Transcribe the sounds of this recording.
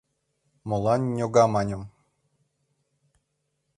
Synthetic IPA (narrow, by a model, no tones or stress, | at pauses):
molˠɑnːʲoɡɑmɑnʲɤ̆m